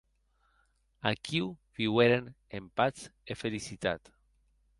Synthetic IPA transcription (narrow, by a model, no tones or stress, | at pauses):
akʰiwβiweɾen | empat͡sefelisit̪a̰t̪